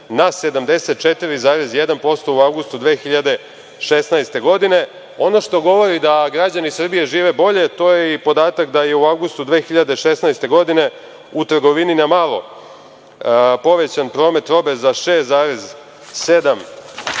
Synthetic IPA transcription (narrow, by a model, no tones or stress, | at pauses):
nase̞d̪amd̪e̞set̪̚t͡ʃet̪iɾizaːɾezjed̪anpo̞st̪o̞uawɡust̪ud̪ʋeːxiʎad̪e̞ | ʃesnajst̪e̞ɡo̞d̪ine̞ | o̞no̞ʃt̪o̞ɡo̞ʋo̞ɾid̪aɡɾad͡ʑanisr̩bije̞ʒiːʋe̞bo̞ʎe̞t̪o̞ːjeipo̞d̪aːt̪akd̪aje̞uawɡust̪ud̪ʋeːxiʎad̪eʃesnajst̪e̞ɡo̞d̪ine̞ | ut̪r̩ɡo̞ʋininamalˠo̞̰ | po̞ʋet͡ɕanpɾo̞ːme̞t̪ɾo̞bezaʃeːszaːɾez | sed̪am